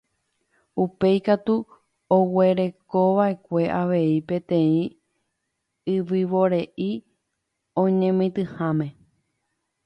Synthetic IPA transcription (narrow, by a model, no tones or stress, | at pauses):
upe̞jkat̪u | owe̞ɾe̞ko̞ʋaʔe̞kʷe̞ʔaʋe̞ipẽ̞t̪ẽ̞ĩ | ɨʋɨʋo̞ɾe̞ʔi | õɲẽmĩt̪ɨhãmẽ̞